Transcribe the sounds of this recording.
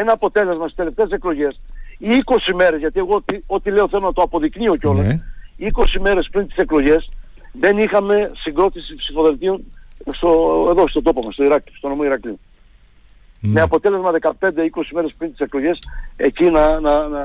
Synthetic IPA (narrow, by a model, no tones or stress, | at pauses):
e̞nɐːpo̞t̪e̞le̞zmɐst̪ist̪eleft̪eːseklo̞ʝe̞siiko̞sime̞ɾezʝɐt̪ie̞ɣot̪io̞t̪ile̞oθe̞lo̞nɐt̪oɐpo̞ðiknio̞ceo̞lesiko̞sime̞ɾe̞spɾint̪i̥se̞klo̞ʝe̞s | ðe̞nixɐme̞siŋɡɾo̞t̪isipsifo̞ðelt̪ionst̪oeðo̞st̪ot̪o̞pomɐst̪o̞iɾɐkli̥st̪o̞nomoiɾɐkli | meɐpo̞t̪e̞le̞zmɐðe̞kɐpend̪e̞iko̞sime̞ɾe̞spɾint̪ise̞klo̞ʝe̞se̞cinɐnɐnɐ